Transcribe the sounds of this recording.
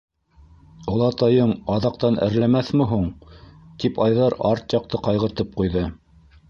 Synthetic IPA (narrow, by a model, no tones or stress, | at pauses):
ŏlˠɑt̪ɑjɤɴɑðɑq̚t̪ɑnʔæ̰̆ɾlæmæθmɘ̆ɦuɴt̪ipɑjðɑɾɑɾt̪jɑq̚t̪ɤqɑjʁɤ̆ɾt̪ɤp̚qujðɤ